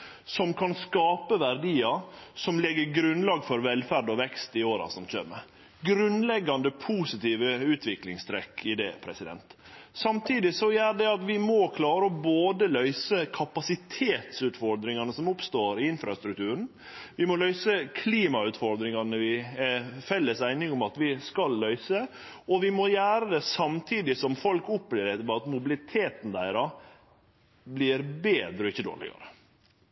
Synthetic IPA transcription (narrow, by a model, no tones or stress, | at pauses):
sɔmkʰɑnskɑːpəʋæɾɖ̪iːɑsɔmlɛɡːəɾɡɾʉnlɑːɡfɔɾʋɛlfæɾɖɔʋɛkst̪ɪoːɾɑ̰sɔmçø̰ːmə | ɡɾʉnlɛɡːɑnd̪əpʰusɪt̪iːʋəʉːt̪ʰʋɪklɪŋst̪ʰɾɛkːɪd̪ɛːpʰɾɛsɪd̪ɛ̰nt̪ | sɑmt̪ʰiːd̪ɪsɔæɖ̪ɛɑt̪ʋɪmɔkʰlɑːɾəɔboːd̪əlœʏsəkʰɑpɑsɪt̪ʰeːt̪sʉːt̪fɔɾd̪ɾɪŋɑnəsɔmʊpst̪oːɾɪɪnfɾɑ̰st̪ɾʉkt̪ʉːɾən̩ | ʋɪmɔlœʏsəkʰliːmɑʉt̪fɔɾd̪ɾɪŋɑnəʋɪ | fɛlːəsæɪnɪŋʊmɑt̪ʋɪskɑlːœʏsə | ɔʋɪmɔjæːɾəd̪ɛsɑmt̪ʰiːd̪ɪsɔmfɔlkʊpːblɪɾɛt̪mɛɑt̪mʊbɪlɪt̪ʰeːt̪n̩d̪æɪɾɑ | blɪɾbeːd̪ɾəɔɪçːəd̪o̰ːɭɪ̰ɡɑ̰ɾə